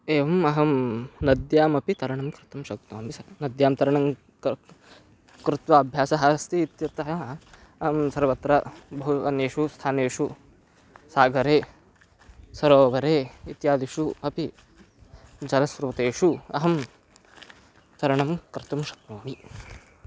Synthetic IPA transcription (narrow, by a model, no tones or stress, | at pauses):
eːʋɐmɐɦɐmnɐd̪jaːmɐpit̪ɐɾɐɳɐmkɾɪt̪ɐmʃɐk̚t̪oːmisɐnɐd̪jaːmt̪ɐɾɐɳɐm | kɾut̪ʋɐɐbʱjaːsɐɦɐst̪iːt̪jɐt̪ɐɦɐ | ɐɦɐmsɐɾʋɐt̪ɾɐbɐɦuɐ̰neːʂust̪ʰaːneːʂu | saːɡɐɾeː | sɐɾoːʋɐɾeːit̪jaːd̪iʂuɐpi | d͡ʒɐlɐsɾuʋɐt̪eːʂuɐ̰ɦɐm | t̪ɐɾɐɳɐmkɾɪt̪ɐmʃɐ̥k̚t̪oːmi